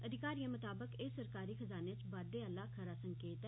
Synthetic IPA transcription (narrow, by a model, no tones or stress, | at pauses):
əd̪ʱɪkaːɾijãmət̪aːbəkeːsəɾkaːɾixəzaːnet͡ʃʋaːd̪eəlakʰəɾasə̃ŋkeːt̪